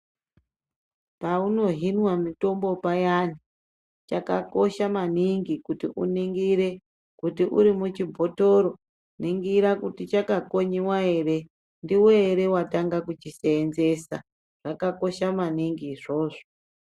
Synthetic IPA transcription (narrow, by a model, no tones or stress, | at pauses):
pauno̞ɦinwamito̞mbo̞pajani | t͡ʃaka̰ko̞ʃamaniŋɡikutiʔṵniŋɡiɾe | kutiʔṵɾimut͡ʃibʱo̞toɾo̞ | niŋɡiɾakutit͡ʃakako̞ɲiwae̞re̞ | ndiweːɾe̞wataŋɡakut͡ʃiseːnze̞sa̰ | ʐ̥akako̞ʃamaniŋɡiʐoːʐo